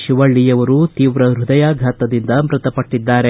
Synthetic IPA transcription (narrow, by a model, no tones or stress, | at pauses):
ʃiʋɐɭːijɐʋɐɾut̪iːʋɾɐɾud̪ɐjaːɡʱaːt̪ɐd̪ind̪ɐmɾɐt̪ɐpɐʈːid̪ːaːɾe